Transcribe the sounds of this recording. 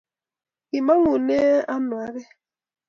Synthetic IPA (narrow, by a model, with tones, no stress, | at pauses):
i˨ma˦ŋu˨ne˦a˦nwa˨˦ɣɛ˦